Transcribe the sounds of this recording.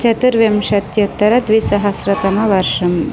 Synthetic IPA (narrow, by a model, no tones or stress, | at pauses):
t͡ʃɐt̪ɨɾʋjɐmʃɐt̪jɐt̪ːɐɾɐd̪ʋisɐɦɐsɾɐt̪ɐmɐʋɐɾʂɐm